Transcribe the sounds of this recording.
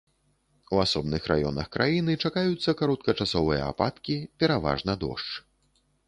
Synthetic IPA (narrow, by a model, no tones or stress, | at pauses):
uasɔbnɨxrʔa̰jɔnɐ̰xkɾʔajinɨt͡ʂakajut̪sːɐkaɾɔt̪̚kɐt͡ʂasɔvɨjɐ̰a̰pat̪kʲipʲɛɾava̰ʐnɐd̪ɔ̰ʂt͡ʂ